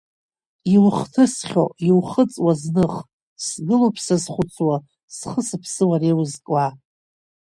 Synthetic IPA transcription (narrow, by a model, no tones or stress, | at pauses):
ilχtʰɨsχʲoilχət͡sʼwaznɨχ | sɡɨlopʰsazχʷʊt͡sʰwa | sχəsɨpʰsɨwarewzkʼa